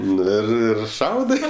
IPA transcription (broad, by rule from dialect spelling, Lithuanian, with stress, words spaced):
ˈnʊ ɪr ɪr ˈʃɐʊdɜ